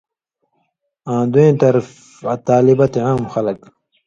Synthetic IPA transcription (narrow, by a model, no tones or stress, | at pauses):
ãːd̪uẽːt̪ɐɾf | t̪aːlibɐt̪eʕaːmxɐlɐk